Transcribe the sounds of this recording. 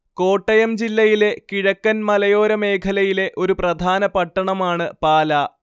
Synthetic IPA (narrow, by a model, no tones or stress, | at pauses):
ko̞ːʈːɐjɐmd͡ʑilːɐjile̞kiɻɐkːɐnmɐlɐjo̞ːɾɐme̞ːkʰɐlɐjile̞ʔo̞ɾuprɐd̪ʱaːnɐpɐʈːɐɳɐmaːɳɨpaːla